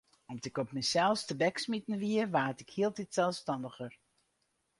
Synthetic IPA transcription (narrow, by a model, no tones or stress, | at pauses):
ɔmtɪkɔpmɛjsɛlˠfstəbɛksmitən̩ʋiərʋaːtɪkhiəlˠtitsɛlˠfstɑndəxər